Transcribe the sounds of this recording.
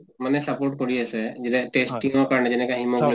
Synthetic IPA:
manɛsapoʈ̚kɔɹiasɛd͡ʒdɛʈesʈĩŋɔkaɹnɛd͡ʒɛnɛkaɦimɔkl

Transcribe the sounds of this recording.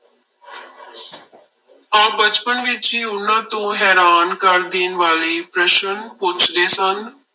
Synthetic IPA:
aːbət͡ʃpənʋɪt͡ʃiːʊnːãːt̪õːɦɛːɾaːnkəɾd̪iːnʋaːliːpɾəʃənpʊt͡ʃd̪eːsən

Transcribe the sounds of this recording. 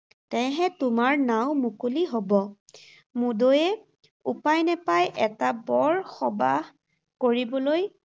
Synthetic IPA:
tɛ̃ɦɛtʊmaɹnawʊ̃mukuliɦobɔ | mudojɛ | upajnɛpajʔɛtabɔɹxɔba | koɹibɔloj

